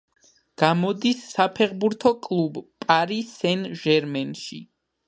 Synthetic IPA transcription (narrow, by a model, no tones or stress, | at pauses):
ɡ̥amɔd̪isːapʰɛʁbuɾt̪ʰɔkʼlˠubpʼaɾisɛnʒɛɾmɛnʃḭ